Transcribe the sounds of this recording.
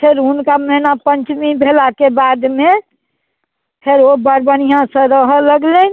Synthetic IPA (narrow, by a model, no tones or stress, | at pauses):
pʰɪɾʊnkamɛɦnapəɲt͡ʃmibʱelakebaːd̪mẽ | pʰeɾobəɾbənijãsə̃ɾəɦələɡlen